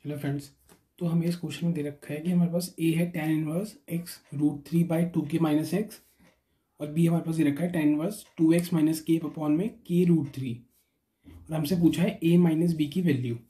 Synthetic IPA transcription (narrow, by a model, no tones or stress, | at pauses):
hɛloːfɾɛ̃ɳɖz | t̪oɦɐmẽɪskoːʃɪmẽd̪eːɾɐkʰːaɦɛkiɦɐmaːɾepaːseːɦɛʈɛnʋəɾsɪksɾuːʈ̚t̪ʰɾiːbaːiʈuːkemaːɪnəseks | ɔːɾbiːɦɐmaːɾepaːsd̪eːɾɐkʰːaɦɛʈɛnʋəɾsʈuːeksmaːɪnəskeːpɐpɔːnmẽkeːɾuːʈt̪ʰɾiː | ɔːɾɦɐmsep̬uːt͡ʃʰaɦɛʔeːmaːɪnəs̬biːkiʋɛːljuː